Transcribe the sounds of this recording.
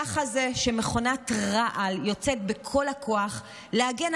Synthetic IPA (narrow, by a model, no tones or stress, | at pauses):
aχaze̞ʃemeχo̞natʁaʔaljo̞t͡se̞t̚bekʰo̞lhakʰo̞aχ | leaɡen